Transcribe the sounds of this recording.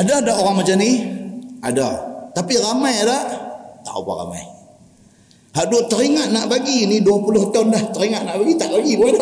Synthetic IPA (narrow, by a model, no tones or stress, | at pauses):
adadaʔoɾaŋmat͡ʃani | adat̪apiramajadaʔt̪a̰ṵpa̰ra̰ma̰j | haʔduʔt̪əɾiŋaʔ̪̚naʔbaɡiniduapulʊht̪anlaht̪əɾiŋaʔ̪naʔbaɡit̪aʔbaɡibuada